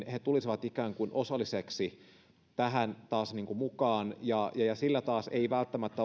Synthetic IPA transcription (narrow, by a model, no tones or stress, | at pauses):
nhet̪ulisiʋɑt̪ikæːŋkunʔosɑlːˑiseksi | t̪æɦænt̪ɑːsniːŋkumukɑːnjɑjɑjɑsilːæt̪ɑːseiʋælt̪ːæmæt̪ːæ